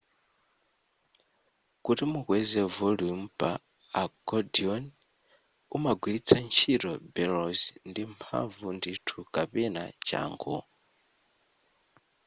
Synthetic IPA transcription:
kutimuɣwɛzɛvɔlumpʼaː | kɔdiɔn | umaɡwilit͡sʰant͡ʃʰiɾɔbɛlɔzndimpʰa̰ɱvunditʰukʼapɛna̰t͡ʃa̰ːŋɡɔ̰

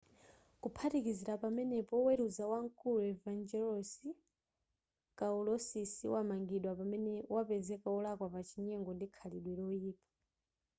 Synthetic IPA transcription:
kupʰatikiziɾapamɛnɛpɔwɛɾuzawaŋkuluɛvand͡ʒɛlɔsi | kaulɔsisiwamaŋɡiɗwapamɛnɛwapɛzɛkaɔlakwapat͡ʃʰiɲɛŋɡɔndikʰaliɗwɛɾɔiːpḁ

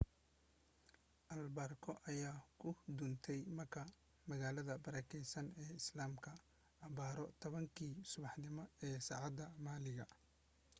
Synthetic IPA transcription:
ʔɐlbaːrkʰɔʔɐjaːkʰʊd̪ʊnt̪ʰɛjmɐrkʰɐ | mɐɣaːlɐðɐbɐɾɐːkʰɛjsɐnɛːɪslaːmkʰɐː | βaːɾɔt̪ʰɔβɐŋkʰiːsʊβɑħnɪmɐɛːsɑʕɑd̪ɐmaːlɪɣɐ

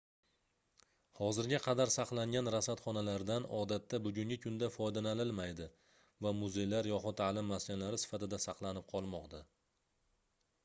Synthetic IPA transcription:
hɒzɪɾɡʲaqʰɑd̪aɾsɑqlˠaŋɡʲanɾasat̪χɒnalaɾd̪anɒd̪at̪ʰːabʊɡʲʊŋɡʲɪkʰʊnd̪afɒjd̪analɪlmajd̪ɪ | vamʊze̞jlaɾjɒχʊt̪ʰalɪmːaskʲanlaɾɪsɪ̥fat̪ɪd̪asɑqlˠanɪp̚qʰɒlˠmɒqt̪a

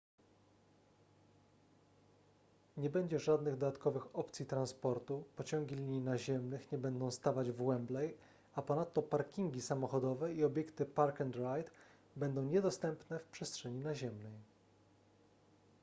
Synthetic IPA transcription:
ɲɛbɛɲd͡ʑɛʐad̪nɘɣd̪ɔd̪at̪kɔvɘxɔpt̪sʲjit̪ɾanspɔɾt̪upɔt͡ɕɔŋɡʲilʲiɲinaʑɛmnɘxɲɛbɛnd̪ɔ̃w̃st̪avad͡ʑvwɛmblɛj | apɔnat̪ːɔpaɾkʲiŋɡʲisamɔxɔd̪ɔvɛiɔbʲjɛkt̪ɘpaɾkɛnd̪ɾajt̪ | bɛnd̪ɔ̃w̃ɲɛd̪ɔst̪ɛmpnɛfpʂɛstʂɛɲinaʑɛmnɛj

